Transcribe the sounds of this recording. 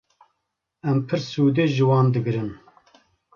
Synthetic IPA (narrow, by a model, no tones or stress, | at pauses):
ɛmpʰɨɾsuːd̪eːʒɨwɑːnd̪ɨɡɨɾɨn